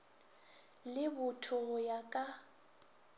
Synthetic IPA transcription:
lɪbʊtʰʊjakʼa

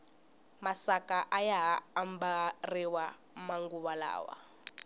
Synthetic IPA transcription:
masakaʔajaɦaːmbariwa | maŋɡuβala̰ːwa̰

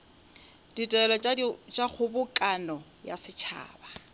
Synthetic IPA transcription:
d̥itʼɛlɔt͡ʃʼak͡xʰʊbʊkʼanɔ | ja̰sɪt͡ʃʰa̰ːba

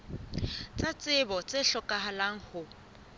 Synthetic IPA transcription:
t͡sʼat͡sʼɪbɔt͡sʼɪɬɔkʼaɦalaŋ̩hʊ

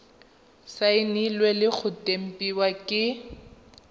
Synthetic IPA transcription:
saɪnilwelɪk͡xʰʊtʼem̩pʼiwakʼɪ

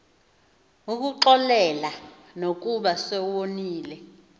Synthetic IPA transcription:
uk̬uǃɔlɛla | nok̬uɓasɛwoniːlɛ

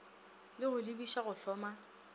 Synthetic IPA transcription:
lɪɣʊlibiʃaɣʊɬɔːma

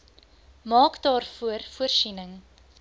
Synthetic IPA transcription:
mɑːkdɑːrfuərfuərsinəŋ

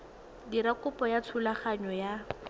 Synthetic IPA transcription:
diɾakʊpɔjatʰulaχaɲɔja

